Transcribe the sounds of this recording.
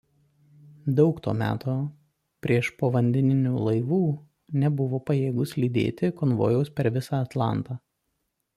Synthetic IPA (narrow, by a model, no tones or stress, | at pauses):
d̪ɒʊkt̪oːmʲæ̰ːt̪ʰoː | pʲɾʲiɛʃpoːʋɐnʲd̪ʲɛnʲɪnʲuːlˠɐɪʋuː | nʲɛbʊʋoːpɐjeːɡʊslʲiːd̪ʲḛːt̪ʲɪkɔnʋo̰jɛʊspʲɛɾʋʲɪsɑɐt̪lˠɑ̰ˑnt̪ɑː